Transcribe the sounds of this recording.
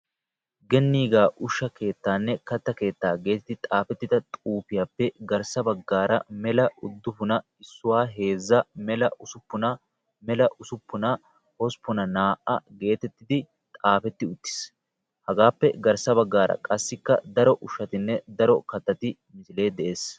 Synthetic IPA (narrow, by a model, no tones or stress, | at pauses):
ɡɛnːiːɡaːʔʊʃːɐke̞ːt̪ːaːnːɛkɐt̪ːɐke̞ːt̪ːaːɡe̞ːt̪ɪt̪ɪt̪ʼaːfɛt̪ːɪd̪ɐt̪ʼuːfɪjaːpːɛɡɐɾsɐbɐɡːaːɾɐ̰mɛlɐʔʊd̪ːʊpʊnɐɪsːʊwaːɦe̞ːzːɐmɛlɐʊsʊpːʊnɐ | mɛlɐʔʊsʊpːʊnɐ | hɔspʊnɐnaːʔɐ̰ɡe̞ːt̪ɛt̪ːɪd̪ɪ | t̪ʼaːfɛt̪ːɪʊt̪ːɪ̥s | hɐɡaːpːɛɡɐɾsɐβɐɡːaːɾɐ̰kʼɐsːɪkːɐ̰d̪ɐɾɔʔʊʃːɐt̪ɪnːɛd̪ɐɾɔkɐt̪ːɐt̪ɪ | mɪsɪle̞ːd̪ɛʔe̞ːs